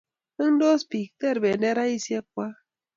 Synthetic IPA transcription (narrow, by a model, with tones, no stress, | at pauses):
ɨ˦ndo˦spi˨k̚t̪e˦ɾbe˨ne˦ɾa˦isje˦k̚ʷa˦